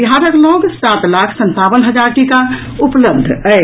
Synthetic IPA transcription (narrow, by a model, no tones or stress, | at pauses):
iɦãɾəkloɡsat̪lakʰsənt̪awənɦəd͡ʒaɾʈika | upləbd̪ʱəj